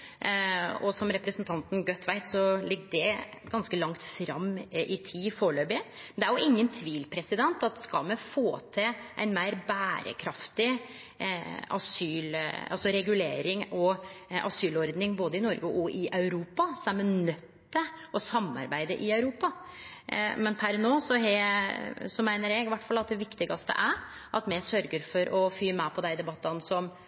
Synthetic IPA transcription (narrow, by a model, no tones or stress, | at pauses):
ɔsɔmɾɛpɾəsnt̪ʰɑnt̪n̩ɡœt̪ʰːʋæɪt̪sɔlɪɡːdɛ | ɡɑnskəlɑŋt̪fɾɑmːʔɪt̪ʰiːfoːɭøːbɪ | mɛd̪ɛæɾjʊɪŋːənt̪ʰʋiːlpʰɾɛsɪd̪ɛnt̪ɑt̪̚skɑlmɛfoːt̪ʰɪlʔæ̰ɪnmæɪɾbæːɾə̰kʰɾɑft̪ɪ | ɑ̰syːlɑ̰lsɔɾɛɡʉleːɾɪŋɔɑ̰syːlɔɾd̪nɪŋboːd̪əɪnɔɾɡəʔɔʔɪʔɑʉɾuːpɑsɔɛmɛnœt̪ːəʔɔsɑmːɑ̰ɾbæɪd̪əʔɪɑʉɾuːpɑ | mɛnpʰæɾnoːsɔɦɛ | sɔmæɪnəɾɛɡɪʋæʈːfɑlːɑt̪̚d̪ɛʋɪkt̪ɪɡɑst̪ə̰ʔæɾ | ʔɑt̪mɛsœɾɡəɾfɔɾʔɔfyːmɛpʰɔd̪æɪd̪ɛbɑt̪ːɑnsɔm